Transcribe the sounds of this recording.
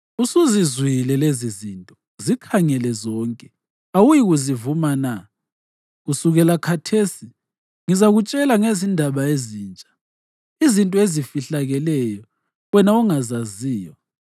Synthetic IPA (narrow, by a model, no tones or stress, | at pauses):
usuzizwilɛlezizintʼɔ | zikʰaŋɛlɛzɔːŋkʼɛ | awujiɣuzivumana | ɣusuɣɛlakʰatʰesi | ŋizaɣut͡ʃʼɛlaŋezindʱaβaeziːnt͡ʃʼḁ | izintʼɔezifiɬaɣɛlɛjɔ | wɛnauŋazaziːjɔ